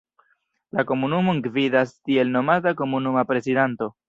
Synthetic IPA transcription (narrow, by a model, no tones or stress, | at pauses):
lako̞munumo̞ŋɡvidastie̞lno̞matako̞munumapɾe̞sidanto̞